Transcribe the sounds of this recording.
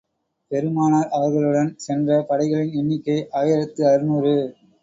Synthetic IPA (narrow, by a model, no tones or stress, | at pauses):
pɛɾɯmaːnaːɾʔɐʋɐɾɣɐɭɯɽɐnsɛndrɐpɐɽɐɪɣɐɭɪnɛnːɪkːɐɪʔaːjɪɾɐt̪ːɯɐɾɯnuːɾɯ